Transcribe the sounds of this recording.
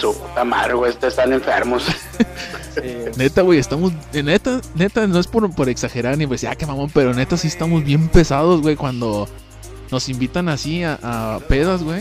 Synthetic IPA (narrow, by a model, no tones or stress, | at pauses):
suput̪ama̰ðɾɣwest̪eest̪ane̞ɱfḛɾmos | ne̞t̪aɣwejest̪amo̞zenet̪ane̞t̪ano̞e̞spo̞ɾpo̞ɾe̞ksaxe̞ɾaɾniposia̰kemamope̞ɾo̞ne̞t̪asiest̪amo̞zβje̞mpe̞sað̞o̞zɣwe̞jkwand̪o̞ | no̞simbit̪anasiaʔape̞ðazɣwej